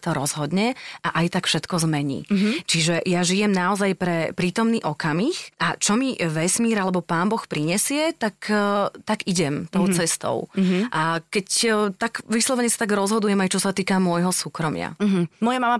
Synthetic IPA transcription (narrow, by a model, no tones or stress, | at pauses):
t̪ɔɾɔzɦɔd̪ɲɛʔaʔajt̪akfʃɛt̪kɔzmɛɲḭːt͡ʃiʒɛjaʒijɛmnaɔzajpɾɛpɾiːt̪ɔmniːʔɔkamixʔat͡ʃɔmiʋɛsmiːɾalɛbɔpaːnbɔxpɾiɲɛsɪɛt̪akt̪aɡiɟɛmt̪ɔʊt͡sɛst̪ɔ̰ʊʔakɛct̪aɡʋislˠɔʋɛɲɛsḁt̪aɡɾɔzɦɔd̪ujɛmajt͡ʃɔsat̪iːkamʊɔjɦɔsuːkɾɔmɪa̰ɦmɔjamama